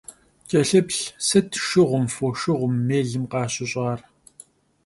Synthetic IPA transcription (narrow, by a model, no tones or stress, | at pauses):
t͡ʃʼɐɬɨpɬsɐtʰʃɪʁʷʊmfoːʃɪʁʷʊmːeːɮɨmqɑːɕʼɪɕʼɑːr